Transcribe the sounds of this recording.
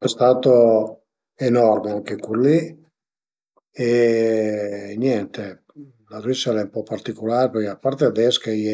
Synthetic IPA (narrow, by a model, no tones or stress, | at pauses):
ɛst̪aːt̪o | enɔrmeaŋkekuli | e | njɛnt̪e | larisːalɛumpɔpːart̪ikolaːɾeperkeapːaɾt̪ead̪ɛskaiɛ